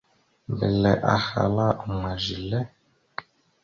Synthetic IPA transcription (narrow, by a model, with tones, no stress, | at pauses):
bɛ˨lɛ˨ʔa˨xa̰˨la˦˨ma˨ʒi˨lɛ˦